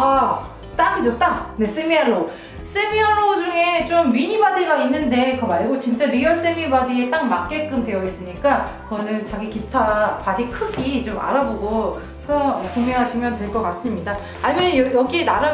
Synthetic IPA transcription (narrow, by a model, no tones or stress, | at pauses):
a | t͈aŋd͡ʑot͈aŋne̞s͈emiaɭːo | s͈emiaɭod͡ʑuŋe̞t͡ɕomɥiɲibadiɡainːɯnde̞kɯmaɭɡot͡ɕint͡ɕ͈aɾijʌs͈emibadiet͈aŋmak̚k͈e̞k͈ɯmdwe̞jʌis͈ɯɲik͈akʌnɯnt͡ɕaɡikitʰapadikʰɯɡit͡ɕoma̰ɾaboɡo | sʰʌʌkomeɦaɕʰimjʌntwe̞ɭkʌkas͈ɯmɲida | amenjjʌɡienaɾa